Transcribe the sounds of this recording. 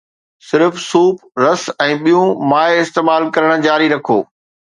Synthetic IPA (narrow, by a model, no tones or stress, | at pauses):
sɪɾfsuːpɾɐsɛ̃ːɓijũmaːɪɪst̪eːmaːlkɐɾəɽ̃d͡ʑaːɾiɾɐkʰo̰ː